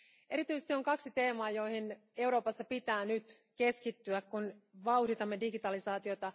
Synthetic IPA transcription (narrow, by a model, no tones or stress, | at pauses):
ʔe̞ɾit̪yjsest̪io̞ŋkɑksit̪e̞ːmɑːjo̞jhin | e̞wɾo̞ːpɑsːɑpit̪æːnyt̪ | ke̞skit̪ːyækkunʋɑwhdit̪ɑmːe̞diɡit̪ɑlisɑːt̪io̞t̪ɑ